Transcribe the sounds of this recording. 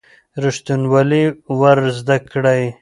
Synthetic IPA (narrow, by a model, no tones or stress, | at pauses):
ɾʊʂt̪unwaliwaɾzd̪akɽaj